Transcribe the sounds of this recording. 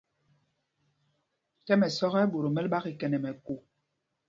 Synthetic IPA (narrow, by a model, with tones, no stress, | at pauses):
tɛ˦mɛ˨sɔ˦ɣɛ˦ɓo˨ɾo˨mɛ˦lɓa˦ɣi˨kɛ˨nɛ˨mɛ˨ko˨